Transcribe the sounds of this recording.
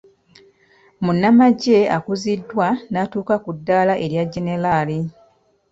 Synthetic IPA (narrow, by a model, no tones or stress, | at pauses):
munːamaɟe̞akuzidːwanatuːkakudːaːlaʔe̞ɾjaɟːe̞ne̞lali